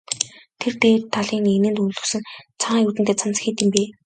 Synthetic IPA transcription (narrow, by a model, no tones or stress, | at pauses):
t̪ʰert̪eːt̪ʰaɮiːŋenɘ̆nt̪uɮɵ̆ksɵ̆nt͡sʰaɴːjuːt̪ɘ̆nt̪eːt͡sʰant͡sxiːt̪ĭmpeː